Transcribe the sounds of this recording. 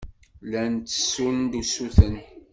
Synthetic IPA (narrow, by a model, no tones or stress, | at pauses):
lænt̪ːə̥sːund̪usuθən